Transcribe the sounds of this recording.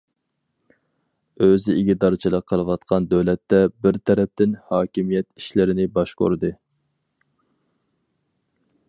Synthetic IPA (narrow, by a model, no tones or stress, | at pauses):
øzɪiɡʲid̪ɑɾt͡ʃʰilˠəqʰːəlˠəwɑt̪qʰɑnd̪ɛwlɛt̪ːɛbɪɾt̪ʰɛɾɛp̚t̪ɪnhɑːkʲimijɛt̪iʃlɪɾɪnɪbɑʃqo̰ɾɨd̪ɨ